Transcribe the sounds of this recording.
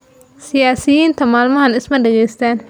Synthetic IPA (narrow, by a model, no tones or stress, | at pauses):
sɪjaːsɪjiːnt̪ʰɐmaːlmɐɦɐnɪsmɐɖɛɣɛjst̪ʰaːn